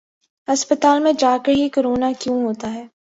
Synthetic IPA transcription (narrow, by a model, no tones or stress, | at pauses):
ɦɐspət̪aːlmẽd͡ʒaːkəɾɦikəɾoːnakjũːɦoːt̪aɦɛː